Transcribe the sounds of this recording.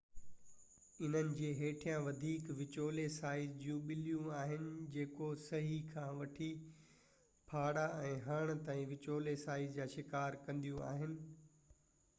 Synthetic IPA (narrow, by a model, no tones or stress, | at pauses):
ɪn̤ənɪ̆d͡ʑeːɦeːʈʰijãʋɐd̪ʱiːkʋɪt͡ɕoːlesaːɪzd͡ʑũːɓɪlijũaːɦɪnɪ̆d͡ʑeːkosɐɦikʰãːʋɐʈʰi | pʰaːɽaɛ̃ːɦaːɽ̃t̪aːĩʋɪt͡ɕoːlesaːɪzd͡ʑaːʃɪkaːɾkɐ̃nd̪ijũa̰ːɦɪnɪ̆